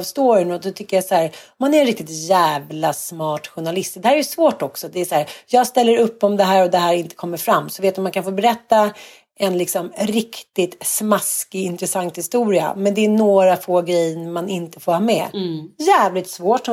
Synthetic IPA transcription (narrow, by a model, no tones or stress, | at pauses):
vst̪oːɾɪnɔd̪ɔt̪ʰʏkːəjasæːɾmanæɾɛnɾɪk̚t̪ɪt̪jæːvlasmɑːʈɧʊɳalɪst̪d̪ɛhæːɾɛɾjʉsvoːʈɔksɔd̪ɛːsæːɾjɑːɡst̪ɛlːəɾɵpːɔmd̪ɛɦæːɾɔd̪ɛɦæːɾɪnt̪ə̥kʰɔmːəɾfɾamːsɔveːt̪ɔmankʰanfoːbɛɾɛt̪ːa | ɛnlɪksɔmɾɪkt̪ɪt̪smaskɪɪnt̪ɾɛsaŋt̪hɪst̪uːɾɪa̰mɛnd̪ɛːnoːɾafoːɡɾɛjːəmanɪnt̪ə̥foːɾhɑːmɛ̰jæːvlɪt̪svoːʈːɔ